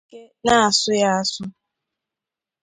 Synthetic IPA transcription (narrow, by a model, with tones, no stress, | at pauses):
ke˦ | na˦a˨sʊ˦ja˦a˦sʊ˦